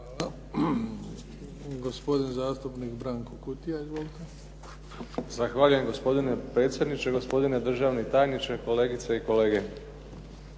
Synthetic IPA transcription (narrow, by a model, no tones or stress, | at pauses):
ɡospo̞d̪inzaːst̪upnikbɾaːŋkokut̪ijaizʋoːlit̪e | zaxʋaːʎujemɡo̞spo̞d̪ine̞pɾe̞t̪sje̞d̪nit͡ʃe̞ɡo̞spo̞d̪ine̞d̪r̩ʒaʋnit̪aːjnit͡ʃeko̞le̞ːɡit̪seiko̞le̞ːɡe